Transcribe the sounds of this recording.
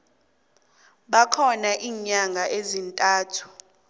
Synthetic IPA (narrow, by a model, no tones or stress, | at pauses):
ɓakʰɔnaʔiːɲaŋʱaʔezintʼaːtʰu̥